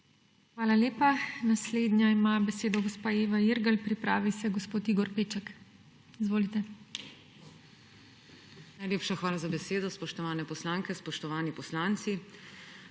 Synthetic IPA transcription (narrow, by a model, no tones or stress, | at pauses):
xʋaːlaleːpanasleːd̪njaimabɛseːd̪ɔɡɔspaːeːʋaiɾɡalpɾipɾa̰ːʋisɛɡɔspoːt̪iːɡɔɾpeːt͡ʃɛk | izʋoːlit̪ɛ | najleːpʃaxʋaːlazabɛseːd̪ɔspɔʃt̪ɔʋaːnɛpɔslaːŋkɛspɔʃt̪ɔʋaːnipɔslaːnt̪si